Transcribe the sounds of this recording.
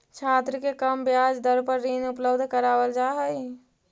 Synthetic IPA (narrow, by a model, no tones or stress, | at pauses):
t͡ʃʰaːt̪ɾəkekəmbjaːd͡ʒd̪əɾpəɾːinʊpləbd̪ʱkəɾaːʋəld͡ʒaːɦəj